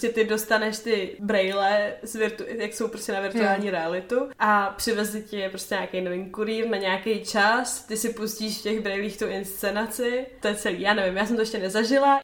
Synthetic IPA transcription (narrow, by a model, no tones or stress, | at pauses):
ɾoscɛt̪ɪdo̞st̪anɛʃt̪ɪbɾɛjlɛzvɪɾt̪ujakso̞wpɾoscʲɛnavɪɾt̪uaːlɲiːɾɛalɪt̪uʔapr̝̥ɪvɛzlɪcɪɛpɾo̞stcɛɲaːkejnovɪnkuɾiːɾnaɲɛakejt͡ʃast̪ɪsɪpusciːʃftcɛɣbɾɛjliːxt̪uʔɪnst͡sɛnat͡sɪt̪ojɛt͡sɛlḭːjaːnɛvɪmjaːsɛmt̪oɛʃcɛnɛzaʒɪla